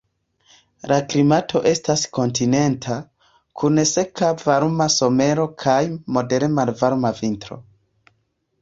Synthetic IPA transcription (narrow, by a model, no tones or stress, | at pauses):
lʔaklimatʰo̞ʔe̞stasko̞ntine̞ntʰa | kʰunese̞kavaɾmaso̞me̞ɾo̞kʰajmo̞de̞ɾemalvaɾmavintɾo̞̰